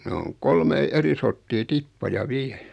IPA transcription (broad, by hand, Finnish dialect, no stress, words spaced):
ne oŋ kolmei eri sortːiː tipːɑjɑ ʋiɛ